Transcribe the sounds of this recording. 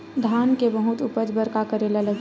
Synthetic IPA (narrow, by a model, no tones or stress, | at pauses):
d̪ʱaːnkebəɦʊt̪ʊpəd͡ʒbəɾkakəɾeːlaləɡ